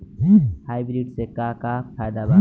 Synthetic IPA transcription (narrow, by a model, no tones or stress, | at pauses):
haːɪbɾiɖsekakapʰajd̪aba